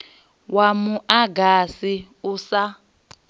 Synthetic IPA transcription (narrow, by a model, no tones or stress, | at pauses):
wamuʔaɡasi | usa